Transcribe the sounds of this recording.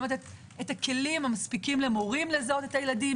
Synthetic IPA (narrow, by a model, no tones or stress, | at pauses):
et̪e | etake̞limamaspikimlemoʁimlezot̪e̞tajeladi